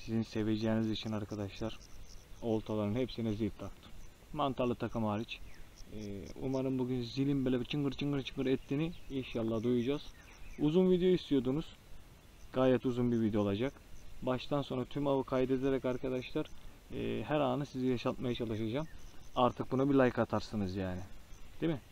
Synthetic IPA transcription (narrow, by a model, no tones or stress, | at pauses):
sizinse̞ve̞d͡ʒɛːnizit͡ʃʰinaɾkʰad̪aʃlˠaɾ̥ | o̞lˠt̪ʰalˠaɾɯnhɛpsinɛzit̪t̪ʰak̚t̪ʰɯ̥m | mant̪ʰalˠɯt̪ʰakʰɯmaːɾit͡ʃː | ṵmaɾɯnbuɡʲynzilʲimbelʲɛbit͡ʃʰɯŋɡɯɾt͡ʃʰɯŋɡɯɾt͡ʃʰɯŋɡɯɾɛt̪ʰːiniinʃalˠːahd̪ujud͡ʒaːz̥ | uzunvid̪ejoist̪ʰijo̞d̪unuz̥ | ɡ̥aːjɛt̪uzunbivid̪ejolˠad͡ʒak | baʃt̪ʰanso̞nɾat̪ʰymaβɯkʰajd̪ed̪eɾɛkaɾkʰad̪aʃlˠaɾ̰ː | hæɾaːnɯsizijaʃalˠt̪majat͡ʃʰalˠɯʃad͡ʒaːmaɾt̪ʰɯk̚bunabilʲˠajkat̪ʰaɾsɯnɯzjaːnɪd̪̥imɪ